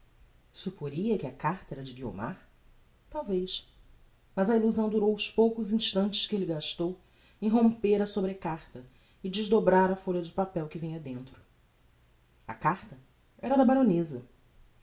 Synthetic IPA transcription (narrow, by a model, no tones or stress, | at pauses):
supoɾiɐkɪɐkaχt̪ɐɛɾɐd͡ʒɪɡio̰ma̰ɾ | t̪awvejʃ | mɐzɐiluzɐ̃w̃d̪uɾowʊspowkʊzĩʃt̪ɐ̃nt͡ʃɪ̥ʃkɪelɪɡaʃt̪ow | ẽj̃ɦõmpeɾɐsobɾekaχt̪ɐ | ɪd͡ʒɪʒd̪obɾaɾɐfolʲɐd͡ʒɪpapɛwkɪvĩɲɐd̪ẽnt̪ɾʊ̥ | ɐ̰kaχt̪ɐ | ɛɾɐd̪ɐbaɾõnezɐ